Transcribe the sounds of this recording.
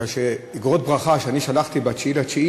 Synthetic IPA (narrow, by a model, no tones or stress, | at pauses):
aʃeiɡʁot̪̚bʁaχaʃeaniʃalaχt̪ibat͡ʃilat͡ʃi